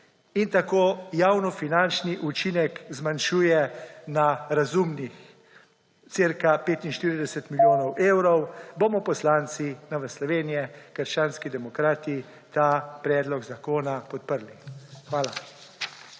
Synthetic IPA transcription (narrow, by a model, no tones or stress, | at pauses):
int̪akoːjawnɔfinant͡ʃniʔut͡ʃinɛkzmanʃuːjɛnaɾazumnix | t̪seɾkapeːt̪inʃt̪iːɾid̪ɛsɛt̪miljoːnɔwʔeːwɾɔwbomɔpɔslaːnt̪sinaʋəslɔʋeːnijɛkəɾʃt͡ʃaːnskid̪ɛmɔkɾaːt̪i | t̪aːpɾɛːd̪lɔɡzakoːnapɔt̪̚pəɾlixʋaːla